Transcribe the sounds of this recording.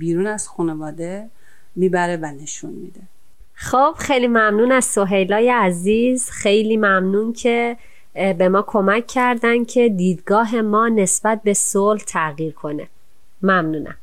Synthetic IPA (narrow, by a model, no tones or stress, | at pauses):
biːɾuːnæz̥xunevɒːd̪e | miːbæɾevæneʃunmḭd̪e | xob̥xejlimæmnuːnæzso̞ɦe̞jlɒːjeæziːz̥xe̞jliːmæmnuːncʰe̞ | be̞mɒːkʰo̞mæcʰːæɾd̪æncʰe̞d̪iːd̪ɡɒːɦe̞mɒːne̞sb̥æt̪̚be̞solht̪ʰæɣiːɾkʰo̞nḛ | mæmnuːnʔæ̰m